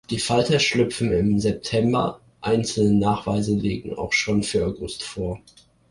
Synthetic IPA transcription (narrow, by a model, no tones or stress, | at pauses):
d̥iːfaltɐʃlʏpfn̩ɪmzɛp̚tʰɛmbɐ̰ | ʔaɪnt͡sl̩nənaːχv̥a̰ɪzəleːɡŋ̩a̰ʊxʃoːnfyːɐaʊɡʊstfoːɐ